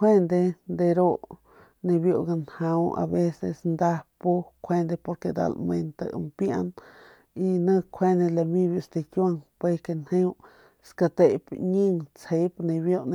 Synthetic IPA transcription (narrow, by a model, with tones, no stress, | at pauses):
kʰʷwe˦nd̪e˧nd̪e˧ɾo˦ | nẽ˧bjo˧ɡa˧nha˧wʔa̰˧be˦sḛ˧snd̪a˦po˦kʷʰe˧nd̪e˧po˧ɾke˧d̪a̰˧lme˧nt̪a̰˧mpja̰˧n | i˧nə̃˦˧kʰwe˧ne˧la˧mĩ˧bjo˧st̪e˧kja˦˧ŋpwe˧ke˧nhẽ˦w | ska˧t̪e˧˨pɲi˦ŋt͡she˧jpnẽ˧bjo˦˧ne˧